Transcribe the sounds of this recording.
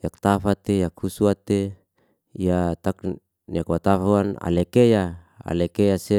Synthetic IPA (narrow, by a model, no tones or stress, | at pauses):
jak̚t̪afat̪ejakhusuat̪e | ijat̪ak | niakwat̪afauana̰lekeja | a̰lekejase